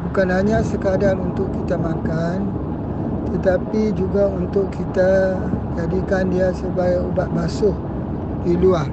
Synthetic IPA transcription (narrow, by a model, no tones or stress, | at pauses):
bukanɦaɲãsəkaadanunt̪ʊkkːit̪amakan | t̪ət̪apid͡ʒuɡaunt̪ʊʔkʰːit̪a | d͡ʒadikandiasəbaaubat̪̚basʊh | diluaŋ